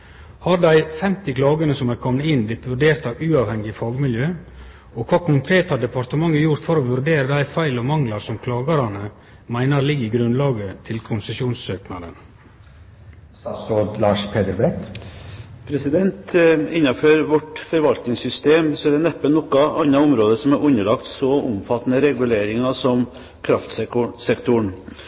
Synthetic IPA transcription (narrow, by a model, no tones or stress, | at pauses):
hɑɾd̪æɪfɛmt̪ɪkʰlɑːɡənəsɔmæːɾkʰɔmnəɪnblɪt̪ʋʉɾɖeːɾt̪ɑʉːɑʋhɛŋːɪfɑːɡmɪljøː | ɔkʰʋɑːkʰʊŋkʰɾeːt̪ɑd̪ɛpɑɾt̪əmɑŋːəɾjʊɾt̪fɔɾɔʋʉɾɖeːɾəd̪æɪfæɪlɔmɑŋlɑɾsɔmkʰlɑːɡɑɾɑnə | mæɪnəɾlɪɡːɪɡɾʉnlɑːɡət̪ʰɪlkʰʊnsəsjuːnsøːknɑd̪ə̰n | sɑsɔlt̪lɑːʂpʰeːd̪əɾbɛk | pʰɾɛsɪd̪ɛnt̪ɪnːɑføɾʋɔʈfɔɾʋɑlt̪nɪŋsʏst̪eːmsɔæɖ̪ɛnɛpːənnɔkːɑʔɑnːɑʊmɾoːd̪əsɔmæɾʔʉnːəlɑkt̪sɔʊ̰mfɑt̪ːnəɾɛɡʉleːɾɪŋɑsɔm | kʰɾɑft̪sɛkʊsɛkt̪ʊɳ